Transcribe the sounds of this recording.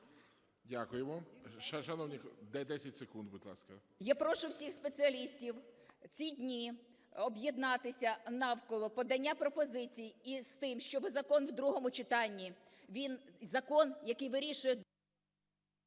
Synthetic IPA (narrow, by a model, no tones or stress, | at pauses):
dʲakʊjemɔʃɐʃɐnɔwnʲikd̪ɛd̪ɛsʲɐtʲsekund̪̚bʊd̪ʲlˠɑ̰skɐ | japɾɔʃʊwsʲixspet͡sʲiɐlʲisʲtʲiwt͡sʲidʲnʲi | ɔbjɛd̪nɑt̪ɪsʲɐnɑwkɔlˠɔpɔd̪ɐnʲːapɾɔpɔzɪt͡sʲijist̪ɪmʃt͡ʃɔbɪzɐkɔnwd̪ɾuɦɔmʊt͡ʃɪt̪ɑnʲːi | ʋʲinzɐkɔnjɐkɪjʋɪɾʲiʃʊjɛ